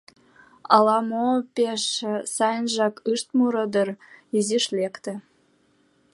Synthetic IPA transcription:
ɑlɑmopeʃsɑjənʒɑkɯʃt̪muɾɤ̆d̪əriziʃlekt̪ĕ

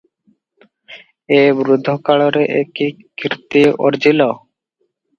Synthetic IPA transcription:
ebɾud̪ʱːokaɭoɾeʔeki | kiɾt̪io̰ɾd͡ʑilɔ

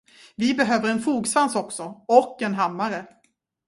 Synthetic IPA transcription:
vɪbɛɦøːvəɾɛnfuːɡsvansɔksɔɔkːɛnɦamːaɾə

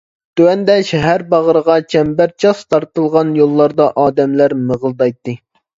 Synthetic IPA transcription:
t̪ʰywɛnd̪ɛʃɛɦæɾbɑʁəɾəʁɑt͡ʃʰɛmbæɾt͡ʃʰɑst̪ʰɑɾt̪ɨlˠʁɑnjolˠːɑɾd̪ɑʔɑːd̪ɛmlæɾməʁəlˠd̪ɑjt̪ːɨ

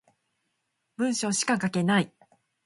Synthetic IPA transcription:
bɯ̟̃ɰ̃ɕo̞ːɕi̥kakake̞nai

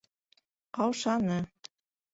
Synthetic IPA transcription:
qɑwʃɑnɤ

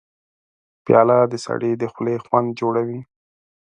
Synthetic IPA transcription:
pjɑlad̪əsa̰ɽed̪əxlexwand̪̚d͡ʒoɽawi

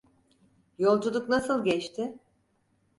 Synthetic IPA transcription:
jo̞lˠd͡ʒud̪ˠuknasɯlˠɟɛt͡ʃt̪ʰɪ

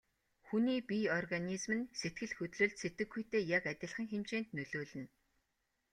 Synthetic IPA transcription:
xuniːpiɔrɣanizmɘ̆nset̪̚ɡɘ̆ɮxɵt̪ɮoːɮt̪set̪ɘ̆ɡːujt̪eːjakæt̪ʲɪ̆ɮχə̆ŋxemt͡ɕeːnt̪nɵɮoːɮɘ̆n

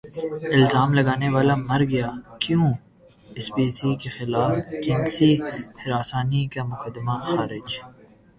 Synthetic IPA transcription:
ɪlzaːmlɐɡaːneʋaːlamɐɾɡɐjaːkjũː | ɪsbiːsikexɪlaːfd͡ʒɪnsihɪɾaːsaːnikamʊkəd̪maxaːɾɪd͡ʒ

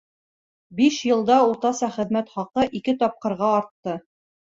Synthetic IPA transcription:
biʃjɤ̆lˠd̪ɑuɾt̪ɑsɑχɘ̆ðmæt̪χɑqɤʔikɘt̪ɒp̚qɤ̆ɾʁɑɑɾt̪ːɤ

